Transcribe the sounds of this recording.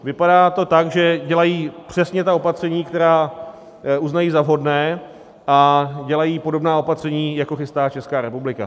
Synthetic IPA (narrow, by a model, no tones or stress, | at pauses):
vɪpadaːt̪o̞t̪aɡʒɛɟɛlajiːpr̝̥ɛsɲɛt̪ao̞pat̪r̝̥ɛɲiːkt̪ɛɾaː | uznajiːzavɦo̞dnɛː | ʔaɟɛlajiːpo̞do̞bnaːo̞pat̪r̝̥ɛɲiːjako̞xɪst̪aːt͡ʃɛskaːɾɛpublɪka̰